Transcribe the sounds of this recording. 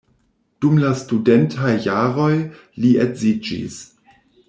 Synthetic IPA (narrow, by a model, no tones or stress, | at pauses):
d̥umlastudentʰajːaɾo̞j | lietzid͡ʒḭs